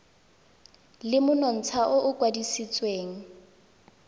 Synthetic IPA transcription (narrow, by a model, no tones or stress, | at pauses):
lɪmʊnɔn̩t͡sʰaʔʊʔʊkwadisit͡sʼweːŋ̩